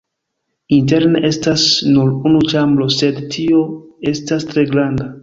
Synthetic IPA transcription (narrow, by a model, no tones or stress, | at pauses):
int̬e̞ɾneʔe̞stasnuɾunut͡ʃamblo̞se̞dtʰio̞e̞stastɾe̞ɡɾanda